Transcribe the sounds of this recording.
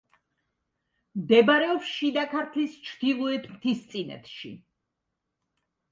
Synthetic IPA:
md̪ɛbaɾɛɔpsʃid̪akʰaɾt̪ʰlist͡ʃʰd̪ilˠɔɛt̪ʰmt̪ʰist̪sʼinɛ̰t̪ʰʃḭ

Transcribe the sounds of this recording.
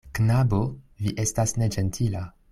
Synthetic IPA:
knaboviʔe̞stasne̞d͡ʒe̞ntʰila

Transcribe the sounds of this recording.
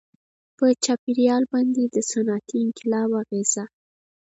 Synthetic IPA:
pət͡ʃɑpiɾjɑlbɑnd̪ed̪əsanɑt̪iɪŋkɪlɑwaɣez̥a

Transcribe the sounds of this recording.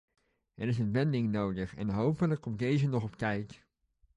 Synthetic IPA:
ɛɾɪsənʋɛndɪŋnowdəχɛ̰nɦowpələkːɔmdejzənɔχɔpkɛjk

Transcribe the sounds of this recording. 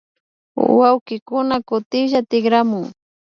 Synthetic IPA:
wawkɪkʊnakʊt̪ɪʒat̪ɪɡɾamʊŋ

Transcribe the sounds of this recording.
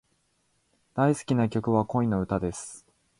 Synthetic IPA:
d̪̥aisɨ̥kʲinakʲo̞kɯ̟βako̞ĩno̞ɯ̟t̪ad̪e̞sɨ̥

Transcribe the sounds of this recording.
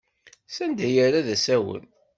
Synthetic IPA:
sænd̪æjaɾaðæsæwə̰n

